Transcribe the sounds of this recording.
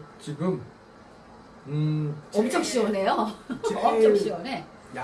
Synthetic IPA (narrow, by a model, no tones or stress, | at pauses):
t͡ɕiɡɯm | ɯʌmt͡ɕ͈ʰʌk̚ɕ͈iwʌne̞joiʌmt͡ɕʰʌkɕ͈iwʌne